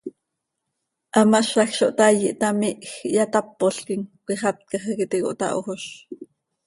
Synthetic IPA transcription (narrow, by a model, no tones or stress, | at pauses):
ʔɑmaʃɑxʃoʔt̪ajiʔt̪amiʔxjat̪ɑpːoɬkiŋkiχɑt̪̚kɑχekit̪iko̰ʔt̪ɑ̰ʔoxoʃ